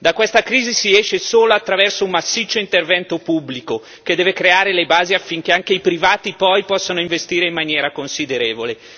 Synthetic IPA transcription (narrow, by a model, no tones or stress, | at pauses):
d̪akːwest̪akɾiːzisiɛʃesoːloat̪ːɾavɛrsoumːasːit͡ʃːoint̪ervɛnt̪opubːliko | ked̪ːɛːvekɾeaːɾelebaːziafːiŋk̟eaŋk̟eipɾivaːt̪ipɔjpɔsːanoiɱvest̪iːɾeimːanjɛːɾakonsid̪eɾeːvole